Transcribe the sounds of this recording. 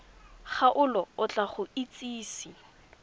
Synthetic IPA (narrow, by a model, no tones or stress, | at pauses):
χaʔʊlɔʊt͡ɬʼaχʊit͡sʼiːsi